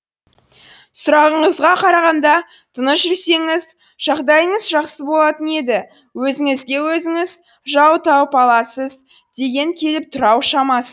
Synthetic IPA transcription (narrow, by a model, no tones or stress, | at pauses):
sʊɾɑʁəɴəzʁɑqʰɑɾɑʁɑnd̪ɑ | t̪ʰənəsʒʏɾse̞ŋɪz | ʒ̥ɑʁd̪ɑjəɴəzʒɑχsəbo̞lˠɑt̪əne̞d̪ɪ | wɵzɪŋɪzɡʲe̞wɵzɪŋɪz | ʒɑwt̪ʰɑwpɑlˠɑsəz | d̪̥e̞ɡʲe̞ŋkʲʰe̞lɪp̚t̪ʰʊɾɑwʃɑmɑsə